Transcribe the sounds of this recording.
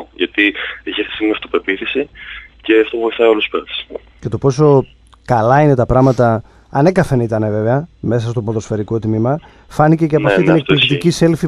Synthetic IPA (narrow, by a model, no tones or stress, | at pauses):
ʝɐt̪ieçiθe̥st̪imiɐft̪opeɾpiθisice̞ɐft̪o̞pvo̞jiθɐioluspeɾɐ̥s | ce̞t̪o̞po̞so̞ | kɐlɐine̞t̪ɐpɾɐmɐt̪ɐ | ɐne̞kɐfenit̪ɐne̞ve̞ve̞ɐme̞sɐst̪o̞poðosfeɾiko̞t̪mimɐ | fɐnice̞ceɐoɐfit̪nek̚t̪likt̪icise̞lfi